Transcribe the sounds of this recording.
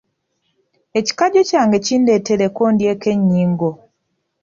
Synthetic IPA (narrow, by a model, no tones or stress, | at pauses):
e̞ci̥kaɟocaːŋɡe̞ciːndetelekondjeːke̞ɲːiːŋɡo